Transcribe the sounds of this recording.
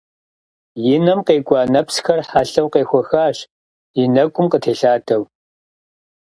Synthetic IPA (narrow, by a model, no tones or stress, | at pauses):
jɪnɐmqeːɡʷʼɑːnɐpsxɐrħaɬɐwqeːxʷɔxaːɕ | jɪnɐkʷʼʊmqətʰeːɬaːdʰɐw